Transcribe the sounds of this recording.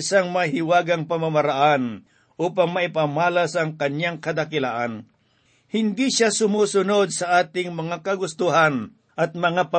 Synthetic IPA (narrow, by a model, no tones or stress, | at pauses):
ɪsaŋmɐhɪwaːɡɐŋpɐmamɐɾaʔan | ʔuːpɐŋmɐʔɪpamaːlɐsɐŋkɐɲjaŋkɐd̪akɪla̰ːʔan | hɪnd̪iʃasʊmuːsʊno̞d̪̚sɐʔaːt̪ɪŋmɐŋakɐɡʊst̪ʊɦan | ʔɐt̪̚mɐŋapɐ